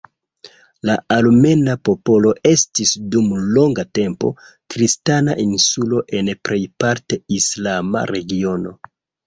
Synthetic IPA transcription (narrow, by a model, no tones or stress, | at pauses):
laalme̞napo̞po̞lo̞e̞stisdumlo̞ŋɡate̞mpo̞̰ | kɾistanaʔinsulo̞ʔe̞npɾe̞jpaɾteislama̰ɾe̞ɡio̞no̞̰